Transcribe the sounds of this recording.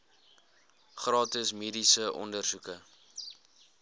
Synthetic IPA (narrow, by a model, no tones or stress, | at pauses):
χrɑːtəsmiːdisəʔɔ̰ndərsukə